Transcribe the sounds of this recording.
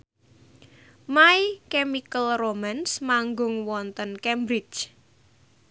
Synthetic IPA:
maikɛmikəlromansmaŋɡʊŋwɔnt̪ənkɛmbɾit͡ʃ

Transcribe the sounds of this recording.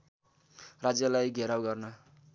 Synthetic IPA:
rad͡zjʌlajɡʱeɾawɡʌrnʌ

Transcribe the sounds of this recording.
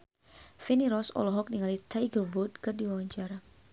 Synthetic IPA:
fɛniɾɔsɔ̰lɔɦɔk̚niŋalit̪ajɡərbut̪̚kɨrdiwawaɲt͡ʃaɾa

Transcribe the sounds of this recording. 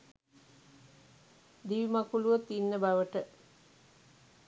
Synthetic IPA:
d̪iʋimɐkuluʋət̪inːəbaʋəʈə

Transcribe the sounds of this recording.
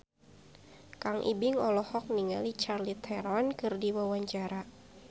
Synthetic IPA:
kaŋʔḭbɪŋɔlɔhɔk̚niŋalit͡ʃarlit̪ʰɛrmankɨrdiwawaɲt͡ʃaɾa

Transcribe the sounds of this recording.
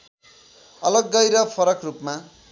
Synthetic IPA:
ʌlʌɡːʌjɾʌpʰʌɾʌkrupma

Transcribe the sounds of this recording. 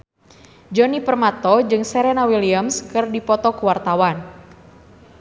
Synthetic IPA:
d͡ʒɔnipərmat̪ɔd͡ʒɨŋsɛɾɛnawiliamskɨrdipɔt̪ɔkuwart̪awan

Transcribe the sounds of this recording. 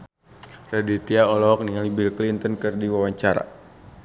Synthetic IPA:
radit̪iaɔlɔk̚nialibilklint̪ənkɨrdiwawaɲt͡ʃaɾa̰

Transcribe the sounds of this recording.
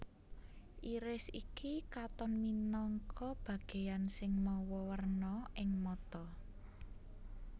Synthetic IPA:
ʔiɾɪsikikat̪ɔnminɔŋkʰɔb̥ä̤ɡ̥e̤jansɪŋmɔwɔwərnɔʔɪŋmɔt̪ɔ

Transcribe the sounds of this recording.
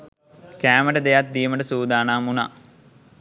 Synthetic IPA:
kæːməʈəd̪ejat̪̚d̪ijəməʈəsuːd̪aːnaːmuna̰

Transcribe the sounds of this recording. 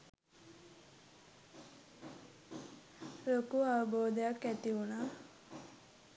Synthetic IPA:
lokuaʋəboːd̪əjakːæt̪iunaː

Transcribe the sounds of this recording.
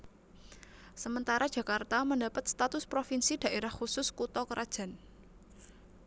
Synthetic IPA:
səmənt̪aɾḁʒ̥ä̤kart̪aməndapət̪̚st̪at̪ʊspɾofinsid̥ä̤ʔeɾahxusʊskut̪ɔkəɾʔad̥ʒ̥a̤n

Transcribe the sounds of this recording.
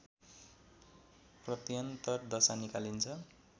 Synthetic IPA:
prʌt̪ijʌnt̪ʌrd̪ʌsanikalint͡sʰʌ

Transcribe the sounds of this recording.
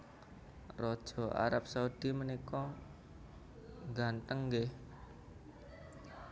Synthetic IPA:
rɔd̥ʒ̥ɔ̤ʔa̰ɾap̚saud̥imənikɔ | ŋɡant̪əŋɡe

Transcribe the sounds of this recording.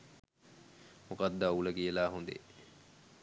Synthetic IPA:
mokad̪ːauləkiəlaːɦund̪ḛ

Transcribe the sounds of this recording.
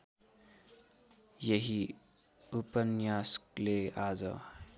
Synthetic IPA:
jeɦi | upənjasklead͡zʌ̰

